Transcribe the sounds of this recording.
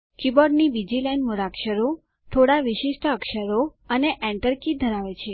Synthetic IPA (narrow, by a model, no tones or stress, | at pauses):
kibɔɾɖnibid͡ʒilɛnmuɾakʃəɾo | t̪ʰoɽaʋɪʃiʃʈəəkʃəɾoəneʔɛ̃ɳʈəɾkid̪ʱəɾaʋet͡ʃʰe